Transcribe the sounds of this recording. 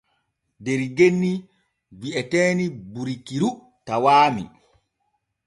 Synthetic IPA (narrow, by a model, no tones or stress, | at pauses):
deɾiɡenːi | ɡiʔɛtɛːnibuɾikiɾu | tawaːmḭ